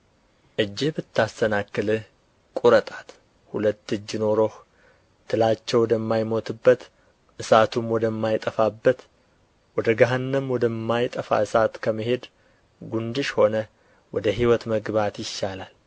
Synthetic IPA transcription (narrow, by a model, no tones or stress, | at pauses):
ʔɨd͡ʒːɪbɨt̪ːast̪ʰənakːɨlɨ | kʼuɾət̪ʼat̪ | hulət̪ːɨd͡ʒːɪno̞ɾo̞h | t̪ʰːɨlat͡ʃːɛwɔd̪əmːajmo̞t̪ʰɨbːət̪ | ʔɨsat̪ʰumwɔd̪əmːajt̪ʼəfabːət̪ | wɔd̪əɡaɦanːəmwɔd̪əmːajt̪ʼəfa̰ɨsat̪kʰəməɦe̞d̪ | ɡund̪ɨʃho̞nə | wɔd̪əɦiwɔt̪məɡbat̪jɪʃːalal